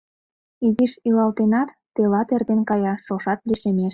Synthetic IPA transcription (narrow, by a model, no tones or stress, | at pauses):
iziʃilɑlt̪enɑt̪ːelɑt̪erd̪enkɑjɑʃoʃɑt̪liʃemeʃ